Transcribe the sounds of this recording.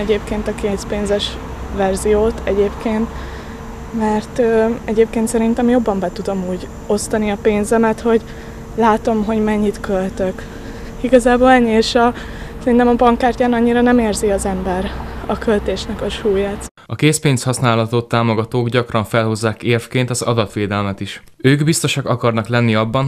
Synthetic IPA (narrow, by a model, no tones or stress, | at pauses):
ɛɟeːpkeːnt̪ɒkeːspeːnzɛʃ | vɛrzijoːt̪ʰɛɟeːpkeːnt̪ | mɛrt̪øɛɟeːp̚keːnt̪sɛɾint̪ɛmjo̞bːɒmbɛt̪ud̪o̞muːɟ | o̞st̪ɒniɒpeːnzɛmɛt̪ho̞ɟ | laːt̪o̞mɦo̞ɟmɛɲːit̪kølt̪øk | iɡɒzaːboːlɛɲːieːʃɒ | sɛɾint̪ɛmɒbɒŋkaːrcaːnɒɲːiɾɒnɛmeːrziɒzɛmbɛɾɒkø̞lt̪eːʃnɛkɒʃuːjaːt̪ | ɒkeːspeːnshɒsnaːlɒt̪ot̪ːaːmo̞ɡɒt̪oːɡɟɒkrɒɱfɛlho̞zːaːkeːrfkeːnt̪ɒzɒ̰d̪ɒt̪ʋeːd̪ɛlmɛt̪iʃ | øːɡbist̪o̞ʃɒkɒkɒrnɒklɛnːiɒbːɒn